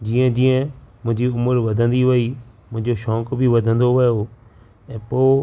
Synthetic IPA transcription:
d͡ʑiːə̃d͡ʑĩːə̃mʊ̃ɦɪ̃ɲd͡ʑiʊməɾʋɐd̪ʱə̃nd̪iʋɐi | mʊ̃ɦɪ̃ɲd͡ʑoʃɔːkbʱiʋɐd̪ʱə̃nd̪oʋɐjo | ɛ̃ːpoː

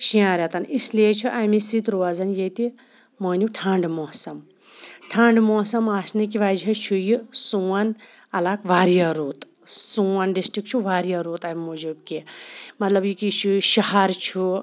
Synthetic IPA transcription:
ʃĩãːɾʲɐt̪ɐnʔisliet͡ʃʰuʔaːmisit̪ɾoazɐnjet̪i | moːniʈʰaːɳɖmoːsɐm | ʈʰaːɳɖmoːsɐmaːsnik̬iʋaːd͡ʒɐt͡ʃʰujusuwɐn | ɐlakʋaːɾjɐɾuːt̪ | suwɐnɖisʈɾik̚t͡ʃʰuʋaːɾijɐɾuːt̪ammːud͡ʒubkimɐt̪lɐbjikit͡ʃʰuʃɐhaɾt͡ʃʰu

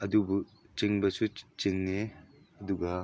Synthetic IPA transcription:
ɐdubu | t͡ʃiŋbɐsut͡ʃiŋne | ɐduɡɐ

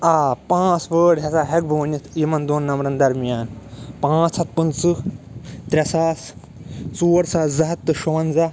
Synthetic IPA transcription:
aːpãːt͡sʋəːɽɦʲɐsaːɦɐk̚bʱɐʋɐnit̪iːmɐnd̪oːnːɐmɾɐnd̪ɐɾmijaːnpãːt͡sʰɐt̪̚pɨnt͡sɨ | t̪ɾʲɐsaːs | t͡suːɾsɐzɐɦɐt̪ːɨʃuʋɐnzɐ

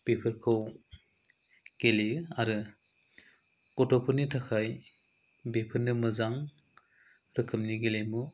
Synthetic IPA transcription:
b̥epʰɯɾkʰɯw | ɡ̥eliaɾɯ | kɔtɔpʰɯnitʰakʰaj | bepʰɯɾnɯmɯzaŋ | ɾɯkʰɯmniɡelemu

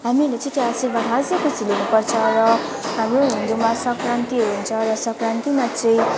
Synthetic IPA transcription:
ɦamilet͡sʌ̃t̪easilbanɦazʌkut͡sʰilenupʌrt͡sʰʌɾʌ | ɦamroɦind̪umasʌkɾant̪iɦʌɾuɦunt͡sʰʌɾʌsʌkɾant̪imat͡sʌĩ

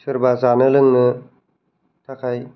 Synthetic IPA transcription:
tʰɯɾbazanɯlɯŋnɯ | tʰakʰaj

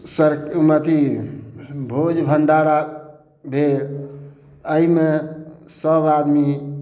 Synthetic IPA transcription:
səɾkumət̪i | bʱod͡ʒbʱəɳɖaɽa | bʱeɾ | əime | səbad̪mi

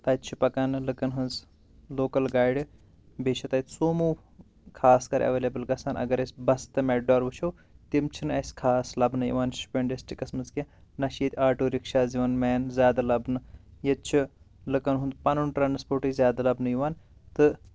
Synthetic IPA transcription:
t̪ɐtt͡ʃʰipɐkanɨlɨkɐnɦɨnz | loːkɐlɡaːjɖ | beʃʰɐt̪ɐjt̪soːmuː | kʰaːskɐɾɐ̰ʋeːlebɨlɡɐsaːnʔɐ̰ɡɐɾɐsʲbɐst̪ɨmeʈɖoːɾʋɨt͡ʃʰow | t̪imt͡ʃʰinɨɐsʲkʰaːslɐbnɨjḭʋaːnsu̥pʲeɳɖisʈikɐsmɐnzkenɐʃit̪ʲaːʈuːɾikʃaːziʋɐnmeːnzʲjaːd̪alɐbnɨjɐtt͡ʃʰi | lɨkɐnɦũnd̪pɐnunʈɾaːnspoːɾʈizʲjaːd̪alɐbnɨjiʋaːn | t̪ɨ

